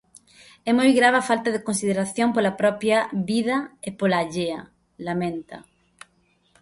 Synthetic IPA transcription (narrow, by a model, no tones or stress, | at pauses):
ɛmojɣɾaβafalt̪aðekõnsið̞eɾaθjoŋpolapɾɔpjaβiðɐepolaːʎeɐ | lamẽnt̪ɐ̰